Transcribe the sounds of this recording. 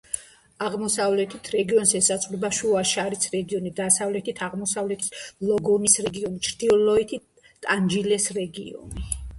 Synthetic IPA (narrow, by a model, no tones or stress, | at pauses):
aʁmɔsavlɛt̪ʰit̪ʰɾɛɡiɔnsɛsat̪sʼχlɛbaʃuaʃaɾisɾɛɡiɔnid̪asavlɛt̪ʰit̪ʰaʁmɔsavlɛt̪ʰi̥slɔɡɔnisɾɛɡiɔnit͡ʃʰɾd̪̥iɔlɔit̪ʰi | t̪ʼand͡ʒilɛsɾɛɡḭɔ̰ni